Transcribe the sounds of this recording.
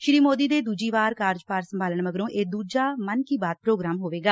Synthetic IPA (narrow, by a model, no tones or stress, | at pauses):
ʃɾiːmoːd̪iːd̪eːd̪uːd͡ʒiːʋaːɾkaːɾd͡ʒpaːɾsəmbʱaːləɳməɡɾõːʔeːd̪uːd͡ʒaːmənkiːbaːd̪̚pɾoːɡɾaːmɦoːʋeːɡaː